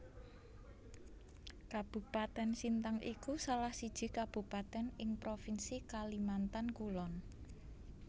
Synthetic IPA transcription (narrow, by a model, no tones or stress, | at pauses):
kab̥ṳpat̪ɛnsint̪aŋʔikusalahsid̥ʒ̥i̤kab̥ṳpat̪ɛnɪŋpɾofinsikalimant̪ankulɔn